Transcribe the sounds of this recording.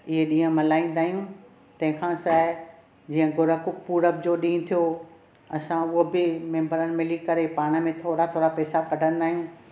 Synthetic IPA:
ɪɦeɗĩːɦə̃mɐlaːĩːn̆d̪aːɦijũ | t̪ɐ̃ɦɪ̃kʰãsaː | d͡ʑiːɦə̃ɡʊɾəkʊk̚puːɾəb̚d͡ʑoɗĩːt̪ʰijo | ɐsãʊɦobɪmɛ̃ːmbəɾənɪ̆mɪlikɐɾepaːɽ̃ə̆mẽt̪ʰoːɾat̪ʰoːɽapɛːsakɐɖʱə̃nd̪aːɦijũ

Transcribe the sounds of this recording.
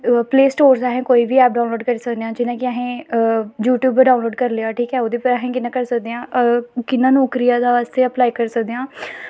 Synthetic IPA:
pleːsʈoːɾsaɦẽːkoːiːbiːɛːp̚ɖaːnloːɖkəɾiːsəkd̪eãːd͡ʒɪnãːkɪəɦẽːjuːʈjuːbɖaːnloːɖkəɾleaːʈʰiːkɛːod̪iːpəɾəɦẽːkɪnãːkəɾsəkd̪eːãːkɪnːãːnɔːkɾijaːd̪aːʋaːst̪eːəplaːiːkəɾsək̚d̪eãː

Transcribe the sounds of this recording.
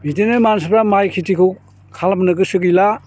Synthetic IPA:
bitenɯmans̬ɯbɾamajkʰitikʰɯw | kʰalamnɯɡɯsɯɡila

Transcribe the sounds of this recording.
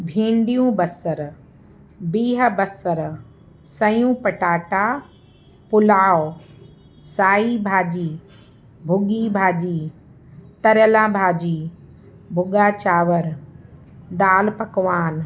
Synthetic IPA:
bʱẽːɳɖijũbɐsəɾ | biːɦə̆bɐsəɾ | sɐjũːpɐʈaːʈa | pʊlaːo | saːibʱaːd͡ʑiː | bʱʊɡiːbʱaːd͡ʑiː | t̪ɐɾjəlãːbʱaːd͡ʑiː | bʱʊɡaːt͡ɕaːʋəɾ | d̪aːlpɐkʋaːn

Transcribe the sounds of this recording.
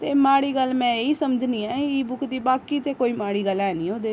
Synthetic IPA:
t̪emaːɽiɡəlmɛ̃eisəmd͡ʒʱniɛiːbʊkd̪iːbaːkit̪ekoːimaːɽiɡəlɛːniod̪e

